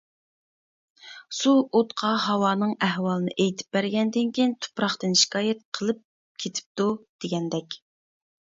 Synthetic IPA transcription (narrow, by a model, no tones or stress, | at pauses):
suot̪qʰɑɦɑwɑːnɨŋæhwɑːlˠɨnɨʔejt̪ʰɪ̥p̚bæɾɡʲɛnd̪ɪnkʲijnt̪ʰu̥pɾɑχt̪ɨnʃi̥kʰɑːjɛt̪̚qʰəlˠɨp̚ | kʲʰet̪ʰɪ̥p̚t̪ud̪̥eɡʲɛnd̪ɛkʲ